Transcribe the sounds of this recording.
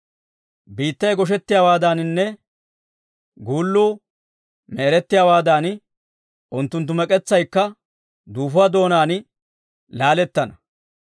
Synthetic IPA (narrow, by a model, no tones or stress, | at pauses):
biːt̪ːɐjɡɔʃ̬ɛt̪ːɪjaːwaːd̪aːnnːɛ | ɡuːlːuː | mɛːɾɛt̪ːɪjaːwaːd̪aːn | ʔʊnt̪ːʊnt̪̬ːʊmɛkʼɛt͡sːɐjkːɐ | d̪uːfʊad̪o̞ːnaːn | laːlɛt̪ːɐnɐ